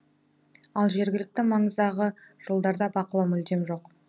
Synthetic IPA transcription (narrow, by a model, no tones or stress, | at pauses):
ɑlˠʒe̞ɾɡʲɪlɪk̚t̪ɪmɑɴəzd̪ɑʁəʒ̥olˠd̪ɑɾd̪ɑbɑqəlˠɑwmʏld̪e̞mʒo̞q